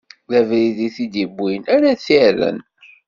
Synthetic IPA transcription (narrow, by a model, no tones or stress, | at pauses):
ðævɾiðiθid̪ibːinæɾæθirə̰n